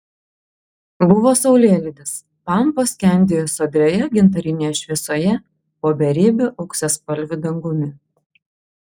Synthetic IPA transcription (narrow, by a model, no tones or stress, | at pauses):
bʊʋoːsɒʊlʲeːlʲɪd̪ʲɪs | pɑˑmposʲkʲɛˑnʲd̪ʲeːjoːsod̪ʲɾʲoːjɛɡʲɪnt̪ɐɾʲɪnʲeːjɛʃʲʋʲiɛsoːjɛ | poːbʲɛɾʲiːbʲʊʔɐʊksʲɛspɐlʲʋʲʊd̪ɐŋɡʊmʲɪ